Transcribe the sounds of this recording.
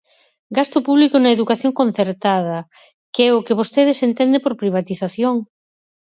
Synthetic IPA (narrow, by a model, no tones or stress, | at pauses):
ɡast̪ʊpuβlikʊnɐeðukaθjoŋkon̟θeɾt̪aðɐ | keɛʊkeβost̪eðɪsent̪ɛnd̪epoɾpɾiβ̞at̪iθaθjoŋ